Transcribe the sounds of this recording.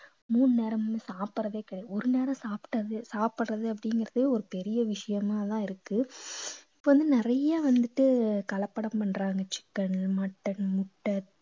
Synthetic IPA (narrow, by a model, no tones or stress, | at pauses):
muːnɯneːɾɐmsaːpɯɾɐʋeːkɪɽɐjɔɾɯneːɾɐ̃saːpʈːɐðɯsaːpɯɽrɐðɯɐp̬ːɐɽɪŋɡɪɾɐðɯɔɾɯpɛɾɪjɐʋɪʂɐjɐmaːt̪ãːɪɾɯkːɯ | ɪpːoːʋɐnd̪ɯnɪɾɐjaːʋɐnd̪ɯʈːɯkɐlɐpːɐɽɐmpɐɳɾaːŋɡɐt͡ʃɪ̥kːɐɳmɐʈːɐnmʊʈːɐɾ